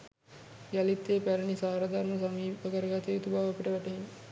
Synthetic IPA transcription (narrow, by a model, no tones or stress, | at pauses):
ɡalit̪ːeːpæɾənisaːɾad̪ʱaɾməsamiːpəkəɾəɡat̪eːt̪ubaːopiʈəʋæʈəɦin